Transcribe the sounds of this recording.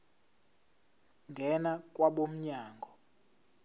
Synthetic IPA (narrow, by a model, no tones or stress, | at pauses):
ŋɡʱɛnakʼwaɓom̩ɲaːŋɡʱɔ